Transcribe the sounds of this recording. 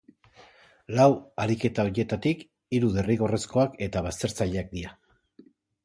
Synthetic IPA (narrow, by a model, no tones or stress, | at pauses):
lawaɾike̞t̪ao̞ɾje̞t̪at̪ik | iɾuðe̞riɣo̞re̞sko̞ake̞t̪aβ̞ast̪e̞ɾt͡saʎeak̚d̪ia